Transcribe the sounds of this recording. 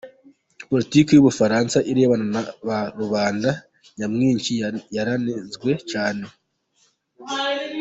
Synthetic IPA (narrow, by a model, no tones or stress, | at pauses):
po̞litiːkejuβufaɾansaʔiɾe̞ːβananaβaɾuβaːnda | jamŋiːɲt͡ʃijaɾanezɡwe̞t͡ʃaːne̞